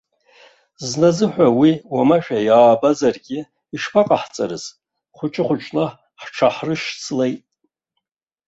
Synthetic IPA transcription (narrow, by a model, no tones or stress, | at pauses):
znazɨħʷᶣawiwamaʃᶣajaːbazarɡʲɪ | iʂpʰaqʼaħt͡sʼa̰ɾɨz | χʷʊt͡ʃʼɪχʷʊt͡ʃʼla | ħʈ͡ʂʰaħrɨʃt͡sʰlejtʼ